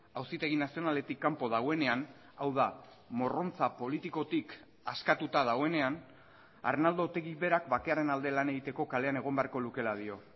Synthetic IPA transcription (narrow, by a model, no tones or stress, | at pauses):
awsit̪e̞ɣ̞inasio̞nale̞t̪ikːampo̞ðaɣ̞o̞e̞ne̞an | awða | mo̞ro̞nt͡sapo̞lit̪iko̞t̪ik | askat̪ut̪að̞aɣo̞e̞ne̞an | a̰rnald̪o̞t̪e̞ɣiβe̞ɾakbake̞aɾe̞nald̪e̞lane̞ɣ̞it̪e̞ko̞kale̞ane̞ɣ̞o̞mbearko̞luke̞lað̞io̞